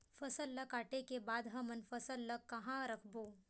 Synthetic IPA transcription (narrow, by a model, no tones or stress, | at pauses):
fɐsəlːɐkaːʈekebaːd̪ɦɐ̃mɐnfɐsəlːɐkːɐɦãɾɐkʰboː